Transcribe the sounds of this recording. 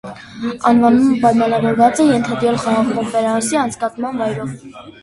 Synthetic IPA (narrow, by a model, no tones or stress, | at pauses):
ɑnvɑnuməpɑjmɑnɑvɔɾvɑt͡sɛjɛnt̪ʰɑd̪ɾɛlχɑʁɑʁkɔmpɛɾɑsiɑnt͡sʰkɑt͡smɑnvɑjɾɔv